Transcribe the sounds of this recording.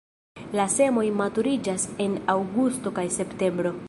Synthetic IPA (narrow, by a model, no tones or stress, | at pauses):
lase̞mo̞jmatuɾid͡ʒase̞nawɡusto̞kajse̞pte̞mbɾo̞